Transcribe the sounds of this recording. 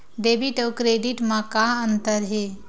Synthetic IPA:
ɖ̪ebiʈəwkɾeɖiʈmãkaənt̪əɾɦe

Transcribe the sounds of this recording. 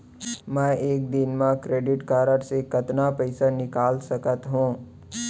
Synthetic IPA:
mɛ̃ːeːk̚d̪ɪnmãkɾeːɖɪʈkaːɾəɾsekɐt̪napɛɪsanɪkaːlsɐkət̪ɦũː

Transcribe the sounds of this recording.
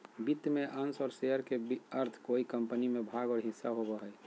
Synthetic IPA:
bit̪meʔansɔːɾseəɾkebəɾt̪ʰkoikəmpənimebʱaːɡɔːɾɦɪsːaɦobəɦəj

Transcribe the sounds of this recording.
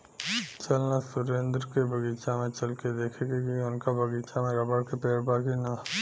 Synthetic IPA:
t͡ʃɐlnasʊɾẽːnd̪ɾkebʱɐɡiːt͡ʃamẽt͡ʃɐlked̪eːkʰekekiʊnkabʱɐɡiːt͡ʃamẽɾɐbəɽkepeːɾbaːkina

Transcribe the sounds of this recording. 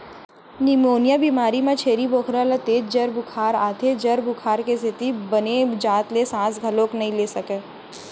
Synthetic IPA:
nimoːnjabiːmaːɾimẽt͡ʃʰeːɾiboːkʰɾalat̪eːd͡ʒ̚d͡ʒɐɾbʊkʰaːɾaːt̪ʰed͡ʒɐɾbʊkʰaːɾkesɪt̪ibɐned͡ʒaːt̪lesãːsɡʱɐlõːknɐɦĩleːsɐkeː

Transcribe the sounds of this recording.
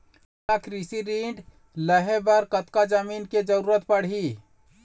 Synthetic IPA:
akɾisiɾiɳɖ | ləɦebəɾkət̪kad͡ʒəminked͡ʒəɾuːɾət̪̚pəɽ̤ɦi

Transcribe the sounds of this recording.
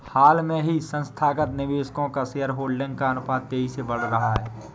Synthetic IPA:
haːlmẽɦisə̃nst̪ʰaːkət̪nɪʋeːskõkaseəɾɦoːɽɖɪ̃ŋɡ̚kaənpaːt̪ːeːɦisebɐɽ̤ɾəɦaɦɛː

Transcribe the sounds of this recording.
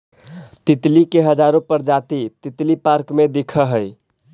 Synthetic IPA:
t̪it̪likeɦəd͡ʒaɾõpəɾd͡ʒat̪it̪it̪lipaɾkmed̪ikʰəɦəj

